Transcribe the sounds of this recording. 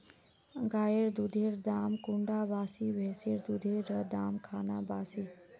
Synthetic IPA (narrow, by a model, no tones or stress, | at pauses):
ɡaeɾd̪ud̪ʱeɾd̪amkʊɳɖabasiʋʱɛseɾd̪ud̪ʱeɾɾəd̪amkʰana̰basi